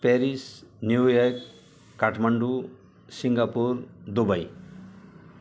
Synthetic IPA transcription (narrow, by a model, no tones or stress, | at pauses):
peɾisnjujaɾk | kːaʈʰmɐɳɖu | siŋɡapuɾd̪ubɐj